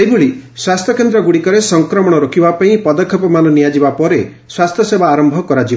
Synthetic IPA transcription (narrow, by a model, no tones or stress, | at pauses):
ejboɭiswast̪ʰjɔkend̪ɾɔɡuɽikɔɾesɔŋkɾɔmɔɽ̃ɔɾɔkʰibapaĩpɔd̪ɔkʰːjɔpɔmanɔnijad͡ʒibapɔɾe | swast̪ʰjɔsebaːɾɔmbʱɔkɔɾad͡ʒi